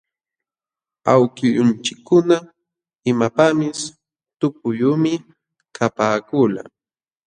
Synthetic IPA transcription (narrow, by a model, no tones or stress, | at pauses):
awkɪjʊnt͡ʃɪkːʊna | ɪmapamɪs | t̪ʊp̚ʊjuːmɪ | kʰapaːkʊla̰